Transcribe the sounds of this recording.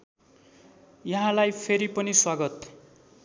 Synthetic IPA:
jʌɦãlajpʰeɾipʌniswaɡʌt̪

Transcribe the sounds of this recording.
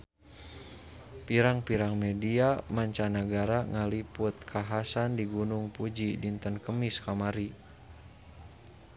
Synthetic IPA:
piɾaŋpiɾaŋmɛdiamaɲt͡ʃanəɡaɾaŋalipʊt̪̚kʰaɦasandiɡunʊŋpud͡ʒidint̪ənkəmiskamaɾi

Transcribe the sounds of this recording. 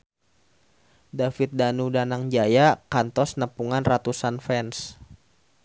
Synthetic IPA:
dafit̪̚danudanaŋd͡ʒajakant̪ɔsnəpuŋanrat̪usanfɛns

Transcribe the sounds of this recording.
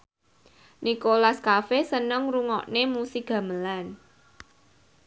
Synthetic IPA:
nikolaskafesənəŋruŋɔ̰ʔnemusik̚ɡ̥ä̤məlan

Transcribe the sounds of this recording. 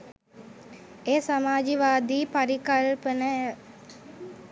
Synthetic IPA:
eːsamaːd͡ʒiʋaːd̪iːpaɾikalpənəə

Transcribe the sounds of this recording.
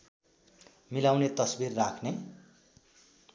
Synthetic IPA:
milawnet̪ʌsbirːakʰne

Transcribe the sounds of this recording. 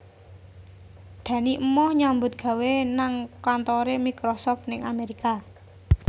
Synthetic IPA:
ɖ̪̥ä̤niʔəmɔhɲambʊt̪̚ɡ̥a̤wenaŋkant̪ɔɾemikɾɔsɔft̪̚nɪŋameɾika

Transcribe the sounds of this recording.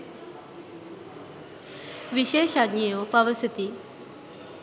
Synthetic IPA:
ʋiɕeʃadnijopəʋəsət̪iː

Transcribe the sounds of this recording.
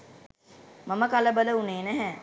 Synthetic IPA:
maməkaləbələuneːnæɦɛː

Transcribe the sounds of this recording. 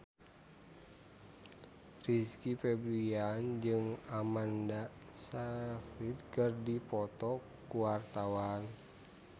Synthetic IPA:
riskifɛbɾiand͡ʒɨŋamanda | safit̪̚kɨrdipɔt̪ɔ | kuwart̪awan

